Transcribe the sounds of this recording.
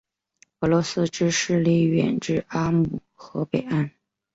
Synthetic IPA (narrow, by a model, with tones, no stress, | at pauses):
ɤ˧˥lwɔ˧˥sɹ̩˥ʈ͡ʂɻ̩˥ʂɻ̩˥˧li˥˩ɥɛ̰˨˩nʈ͡ʂɻ̩˥˩a˥mu˨˩ | xɤ˧˥pe˨˩ɪa˥n